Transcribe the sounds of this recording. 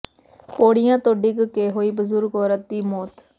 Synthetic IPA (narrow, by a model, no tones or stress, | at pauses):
poːɽɪjãːt̪oːɖiːkəkeːɦoːiːbəzʊɾɡɔːɾət̪̚d̪iːmoːt̪